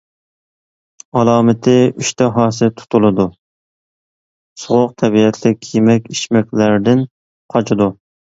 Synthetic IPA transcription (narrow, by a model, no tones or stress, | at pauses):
ɑlˠɑːmɪt̪ʰɪyʃt̪ʰɛɦɑːsɨt̪ʰʊ̥t̪ʰulˠɨd̪u | sʊʁʊq̚t̪ʰɛbiɛt̪ʰlɪkʲʰjemɛkʲiʃmɛkʲlæɾd̪ɪn | qʰɑt͡ʃʰɪd̪u